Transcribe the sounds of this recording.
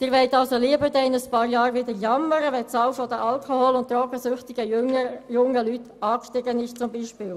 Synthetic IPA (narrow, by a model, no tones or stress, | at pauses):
d̥ɪːɾʋɛɪtɑlsoliəbəɾdɛɪnəspɑːɾjɑːɾʋɪdəɾjɑmːəɾəʋɛsɑwfɔd̪əʔɑlkʰoholʊnt̚tɾɔkəsʏχtɪɡ̥əjʊŋəlyt | ɑːkʃtɪɡənɪʃt͡sʊmbiːʃpiːl